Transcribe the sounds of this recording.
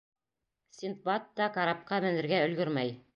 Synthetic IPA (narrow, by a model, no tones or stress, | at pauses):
sʲint̪̚bɑt̪ːɑkaɾɑp̚qɑmɘ̆nɘ̆ɾɡæɵ̆lɡɵɾmæj